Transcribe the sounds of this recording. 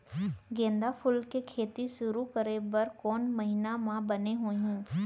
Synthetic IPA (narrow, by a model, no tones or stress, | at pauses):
ɡẽːnd̪apʰʊlkekʰeːt̪iʃʊɾukəɾebɐɾkɔːnmɐɦɪnamãbɐneɦoːɦɛ̃ː